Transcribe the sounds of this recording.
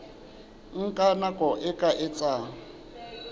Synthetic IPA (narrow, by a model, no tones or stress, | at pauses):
ŋ̩kʼanakʼɔʔɪkʼaʔɪt͡sʼa